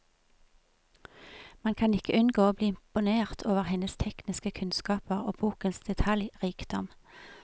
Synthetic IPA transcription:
mɑnkʰɑnɪkəʔʉnɡoːoːbliːɪmpʊneːʁt̪ʰoːʋəʁhɛnəst̪ʰɛknɪskəkʰʉnskɑːpəʁo̰ːb̥uːkənsd̪̥ɛt̪ʰɑljʁiːkd̪̥ɔ̰m

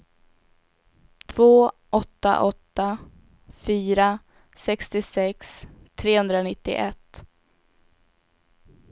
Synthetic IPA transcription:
t̪ʰv̥oːʔɔt̪ːa̰ʔɔt̪ːa | fyːɾa | sɛkst̪ɪsɛkst̪ʰɾeːhɵnd̪ɾanɪt̪ːɪ̰ʔɛt̪ː

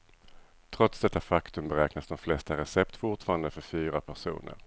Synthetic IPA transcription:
t̪ʰɾɔt̪sd̪ɛt̪ːafakt̪ɵmbɛɾɛːknasd̪ɔmflɛst̪aɾɛsɛpt̪fʊʈfɑːɾand̪əfœɾfyːɾapʰæʂṵːnə̰ɾ

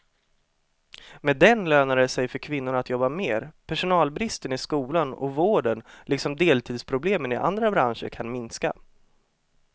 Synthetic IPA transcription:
mɛd̪ɛnløːnaɾəsɛjfœɾkʰvɪnːʊɾat̪jɔbːameːɾpʰæʂʊnɑːlbɾɪst̪ənɪskuːlanɔ̰voːɖənlɪksɔmd̪eːlt̪ʰiːd̪spʰɾʊbleːmənɪʔa̰nd̪ɾabɾanʂə̰ɾkʰanmɪnska̰

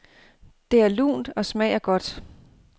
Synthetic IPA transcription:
d̥e̝æɐlṵːnd̥ɒ̽smɛɪ̰ɐɡ̥ɒ̽d̥

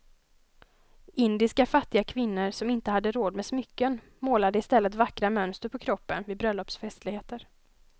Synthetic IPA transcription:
ʔɪnd̪ɪskafat̪ːɪɡakʰvɪnːəɾsɔmɪnt̪əhad̪ːəɾoːd̪mɛsmʏkːən | moːlad̪əɪst̪ɛlːət̪vakːɾamœnst̪əɾpʰɔkʰɾɔpːə̰nvɪːbɾœlːɔpsfɛst̪lɪɡheːt̪əɾ

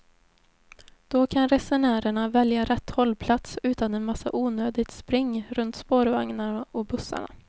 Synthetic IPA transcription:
d̪̥ɔkʰanɾɛsɛɳæːɾəɳavɛljaɾɛt̪ːhɔlːpʰlat̪sʉ̟ːt̪anɛnmasːa̰ʔuːnøːd̪ɪɡt̪spɾɪŋːɾɵnt̪spoːɾvaŋnaɔbɵsːa̰ɳa̰

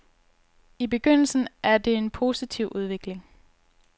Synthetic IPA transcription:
ib̥e̝ɡ̥øn̰l̩sn̩æɐd̥e̝enpʰo̝ːsit͡sʰiʊ̰ʔuð̞ˠʋe̝ɡ̥le̝ŋ

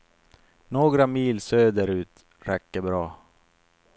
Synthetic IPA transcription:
noːɡɾamiːlsøːd̪əɾʉ̟ːt̪ | ɾɛkːəbɾɑː

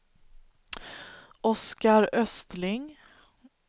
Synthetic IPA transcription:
ʔɔskaɾœst̪lɪŋ

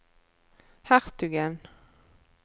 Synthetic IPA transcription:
hæʁt̪ʉɡən

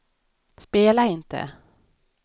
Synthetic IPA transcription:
speːlaɪnt̪ʰə̰

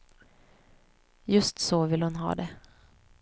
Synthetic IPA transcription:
jɵst̪sɔvɪlhʊnɦɑ̰ːd̪ɛ

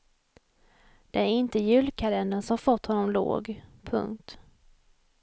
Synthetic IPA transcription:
d̪̥ɛæɾɪnt̪əjʉ̟ːlkʰalɛnd̪ənsɔmhaɾfɔt̪ːhɔnːɔmlo̰ːɡpʰɵ̰ŋk̚t̪

